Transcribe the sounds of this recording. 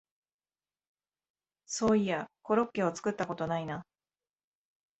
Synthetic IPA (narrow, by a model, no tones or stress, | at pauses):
so̞ːijako̞ɾo̞kːe̞o̞t͡sɨ̥kɯ̟t̪ːako̞t̪o̞naina